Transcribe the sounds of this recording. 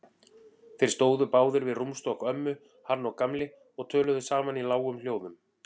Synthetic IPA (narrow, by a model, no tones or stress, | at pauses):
θejɾst̪oːwðʏpaːwðʏɾvɪðrumst̪ɔhkœmːʏ | haɾnɔkamlɪ | ɔɣt̪ʰœːlʏðʏsaːmanilaːwɣʏml̥joːwðʏm